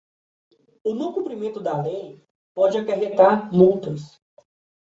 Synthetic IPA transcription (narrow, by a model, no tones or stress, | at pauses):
ʊnɐ̃wkũmpɾimẽnt̪ʊd̪ɐlej | pɔd͡ʒɪakeɦet̪aɾmũt̪ʊs